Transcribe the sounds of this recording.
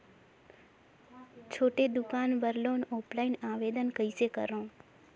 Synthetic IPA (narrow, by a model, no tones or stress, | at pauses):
t͡ʃʰoːʈed̪ukanʋəɾlonoplainaʋed̪ənkəisekə̰ɾõː